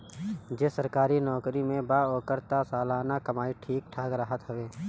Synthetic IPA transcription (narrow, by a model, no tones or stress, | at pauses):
d͡ʒesəɾkaːɾinɔːkɾimẽbaːɔːkəɾt̪asaːlaːnakəmaːiʈʰiːk̚ʈʰaːɡɾəɦət̪ɦəʋeː